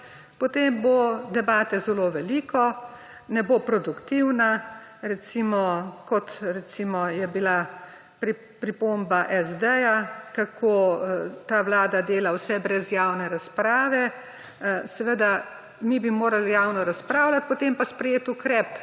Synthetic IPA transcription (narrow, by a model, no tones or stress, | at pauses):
pɔt̪eːmbod̪ɛbaːt̪ɛzɛloʋɛliːkɔ | nɛbopɾɔd̪ukt̪iwnaɾɛt̪simɔkɔt̪ɾɛt̪simɔjɛbila | pɾi | pɾipoːmbaʔɛzd̪ɛjakakʰoːt̪aːwlaːd̪ad̪eːlawsɛbɾɛzjaːwnɛɾaspɾaːʋɛ | sɛʋəd̪a | mibimoːɾalijaːwnɔɾaspɾaːwlat̪̚pɔt̪empaspɾɛjeːt̪ukɾɛp